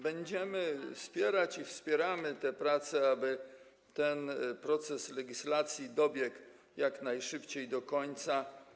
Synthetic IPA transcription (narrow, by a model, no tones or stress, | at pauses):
bɛɲd͡ʑɛmɘfspʲjɛɾat͡ɕifspʲjɛɾamɘt̪ɛpɾat̪sɛabɘ | t̪ɛnpɾɔt̪sɛslɛɡʲislat̪sʲjid̪ɔbʲjɛk | jaknajʂɘpt͡ɕejd̪ɔkɔɲt̪sa